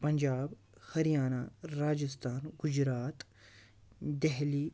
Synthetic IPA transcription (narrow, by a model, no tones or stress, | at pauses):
pɐɲʲd͡ʒaːb | hɐɾijaːnaːɾaːd͡ʒɪst̪ʰaːnɡʊd͡ʒɾaːt̪ | d̪ɛɦli